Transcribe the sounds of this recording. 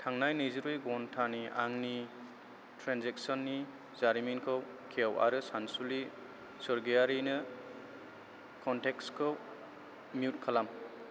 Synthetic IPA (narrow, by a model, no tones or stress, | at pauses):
tʰaŋnajnejziɾujɡɔntʰaniaŋni | tʰɾanzek̚sɔnːi | zaɾiminkʰɯw | kʰeawa̰ɾɯsansuli | sɔɾɡijaɾinɯ | kʰɔntekskʰɯw | miut̚kʰalam